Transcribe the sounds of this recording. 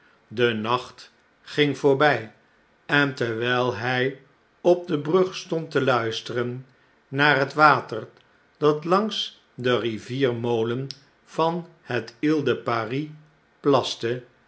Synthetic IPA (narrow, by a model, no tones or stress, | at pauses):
dənɑχt | χɪŋv̥ʊːɹbɛj | ɛntɛɹʋɛlˠɦɛj | ɔb̚dəbrɵχstɔntəlœɥstərənː | aːɹɦətʋaːtəɹ | d̥ɑtlɑŋs | dəriviːrmowlən | v̥ɑn | hətɪlˠdəpari | plɑstə